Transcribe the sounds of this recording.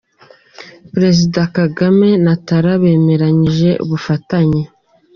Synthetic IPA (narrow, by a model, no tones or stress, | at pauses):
pɾe̞zidakaɡame̞nataɾaβe̞ːme̞ɾaɲiʒe̞ʔṵβufataɲe